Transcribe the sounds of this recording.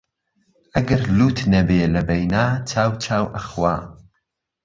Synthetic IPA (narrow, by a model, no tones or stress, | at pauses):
ʔɐɡɐɾluːt̪nɐbeːlɐbɐjnaːt͡ʃʰaːwt͡ʃʰaːwʔɐxwaː